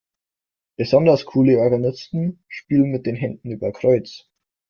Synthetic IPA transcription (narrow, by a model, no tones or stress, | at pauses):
b̥əz̥ɔndɐskʰuːləɔɐɡanɪstn̩ʃpiːlən̩mɪt̚d̥eːnɦɛndn̩yːbɐkʁ̥ɔʏt͡s